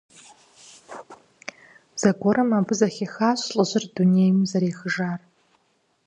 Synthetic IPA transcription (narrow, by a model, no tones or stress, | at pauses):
z̥ɐɡʷɔɾɐmaːbɨzɐxʲexaːɕɬʼəʑɪrdunejmzɐɾeːxəʒaːr